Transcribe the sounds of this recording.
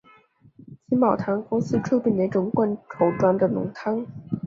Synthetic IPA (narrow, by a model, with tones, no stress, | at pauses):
t͡ɕʰi˧˥nmɑ˨˩ʊt̪ʰa˧˥nkʊ˥ŋsɹ̩˥ʈ͡ʂʰɤ˥˧pi˥˩ne˧˥ʈ͡ʂʊ˧˥ŋkwa˥˩nʈ͡ʂʰo˧˥ʊʈ͡ʂwa˥nd̪ə˨nʊ̰˧˥ŋt̪ʰa˥ŋ